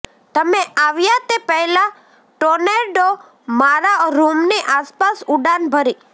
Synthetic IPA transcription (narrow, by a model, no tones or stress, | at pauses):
t̪əmeaʋjat̪epəɦla | ʈoneɖo | maɾaɾumneʔaspasuɖanbʱəɾi